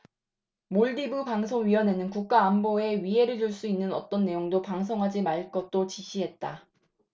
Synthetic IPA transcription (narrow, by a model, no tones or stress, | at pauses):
moɭdibupaŋsʰoŋɥiʌne̞nɯnkuk̚k͈aːmboe̞ɥiɦe̞ɾɯɭd͡ʑuɭs͈uinːɯnʌ̰t͈ʌnːe̞joŋdopaŋs̬ʰoŋɦad͡ʑimaɭk͈ʌt̚t͈ot͡ɕiɕʰiɦe̞t̚t͈a